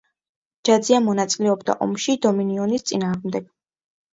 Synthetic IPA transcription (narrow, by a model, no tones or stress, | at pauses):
d͡ʒad̪ziamɔnat̪sʼilɛɔbd̪a̰ʔɔmʃid̪ɔminiɔnist̪sʼinaːʁmd̪ɛɡ̥